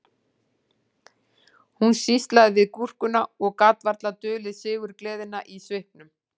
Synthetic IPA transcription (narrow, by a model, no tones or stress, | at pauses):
hunsist̪laðɪvɪðkur̥kʏnaɔɣkat̪vaɾt̪lat̪ʏːlɪðsɪːɣʏɾklɛːðɪnːaʔisvɪhpnʏm